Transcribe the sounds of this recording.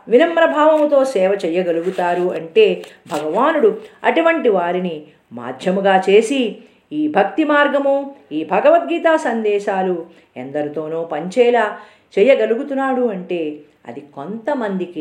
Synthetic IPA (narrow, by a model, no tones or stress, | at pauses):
ʋinɐmpɾɐbʱaːʋɐmt̪o̞ːsɛːʋɐt͡ʃɛjɐɡɐluɡut̪aːɾuɐɳʈe̞ːbʱɐɡɐʋaːnuɽuɐ̰ʈuʋɐɳʈiʋaːɾini | ma̰ːɾd̪ʱjɐmuɡaːt͡ʃeːsi | iːbʱɐk̚t̪imaːɾɡɐmuiːbʱɐɡɐʋɐt̪̚ɡiːt̪aːsɐnd̪ɛːʃaːlu | ḛnd̪ɐɾit̪o̞ːnoːpɐɲt͡ʃɛːlaː | t͡ʃɛːjːɐɡɐluɡut̪unːaːɽuɐɳʈe̞ː | ɐ̰d̪iko̞nt̪ɐmɐnd̪iki